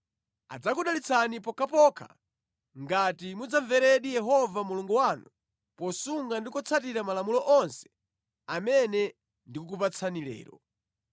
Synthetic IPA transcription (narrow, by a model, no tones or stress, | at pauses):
a̰d͡zakuɗalit͡sʰanipɔkʰapɔkʰa̰ | ŋɡatimud͡zaɱvɛɾɛɗijɛɦɔvamuluŋɡuwanu | pɔsuŋɡandikɔt͡sʰatiɾamalamulɔʔɔnsɛ̥ | amɛnɛ | ndikuk̬upat͡sʰanilɛ̰ːɾɔ̰